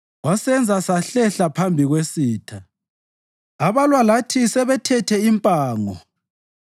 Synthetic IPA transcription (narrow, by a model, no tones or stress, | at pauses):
wasɛnd͡zʱasaɬɛɬapʰambʱiɣwesiːtʰa | aβalwalatʰisɛβɛtʰɛtʰɛimpʼaːŋɔ̰